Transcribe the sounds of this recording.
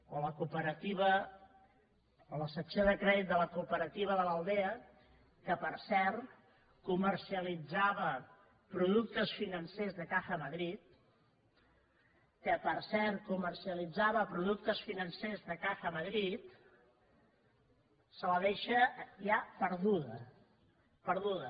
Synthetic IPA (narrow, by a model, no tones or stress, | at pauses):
oləkupəɾət̪iβə | ələsəksjoðəkɾɛðit̪̚d̪ələkupəɾət̪iβ̞əðələlˠd̪eə | kəpəɾsɛrt̪ | kumərsiəlid͡zaβə | pɾuðuk̚t̪əsfinənsezðəkaxəməðɾit̪̚ | kəpəɾsɛrt̪̚kumərsiəlid͡zaβəpɾuðuk̚t̪əsfinənsezðəkaxəməðɾit̪ | sələðeʃəjapəɾðuðə̰ | pəɾðuðə